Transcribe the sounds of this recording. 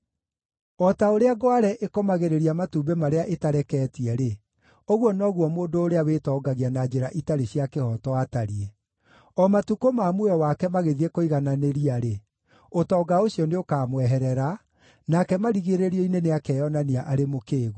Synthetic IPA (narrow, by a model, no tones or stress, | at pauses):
ɔtaoɾeaɡɔaɾɛʔekɔmaɣeɾeɾiamatubemaɾeaʔetaɾɛkɛːtiɛɾe | oɣwɔnɔɣwɔmoːndoːɾeawetɔːɡaɣianad͡ʑeɾaʔitaɾeɕiakehɔtɔwataɾiɛ | ɔmatukomamoɔwakɛmaɣeðiekoiɣananeɾiaɾe | otɔːɡaoɕiɔneokaːmwɛɦɛɾɛɾa | nakɛmaɾiɣeɾeɾiɔineneakɛjɔnaniaʔaɾemokeːɣu